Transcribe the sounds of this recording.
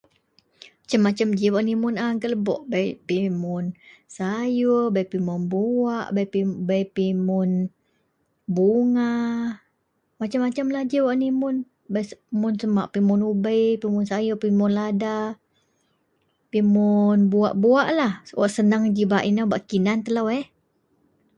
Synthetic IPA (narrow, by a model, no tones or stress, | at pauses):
t͡ʃamːat͡ʃamd͡ʒiwaʔnimʊnaŋkələbɔ̰ʔbajpimʊnsajubajpimʊnbuaʔbapibajpimʊn | buŋa | mat͡ʃamːat͡ʃamlad͡ʒəwaʔnimʊn | bajsmʊnsəmaʔpimʊnubəjpimʊnsajʊpimʊnlada | pimʊnbua̰ʔbuaʔlahwa̰ʔsənaŋd͡ʒibaʔinabaʔkinant̪əlawɛh